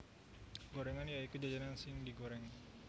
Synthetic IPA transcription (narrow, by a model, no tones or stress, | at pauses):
ɡoɾɛŋanjaik̪ud͡ʒad͡ʒanansɪŋdiɡoɾɛŋ